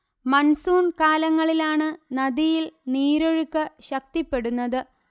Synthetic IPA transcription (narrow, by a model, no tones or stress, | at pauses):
mɐnsuːɳkaːlɐŋːɐɭilaːɳɨnɐdijilniːɾoɻukːɨɕɐk̚t̪ipːe̞ɽunːɐðɨ